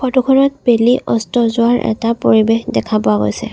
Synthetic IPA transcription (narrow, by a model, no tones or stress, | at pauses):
xʰɔtukʰɔnɔt̚beliʔɔstɔzʊwaɹʔɛ̰tapoɹibexdɛkʰapɔaɡo̰jsɛ̰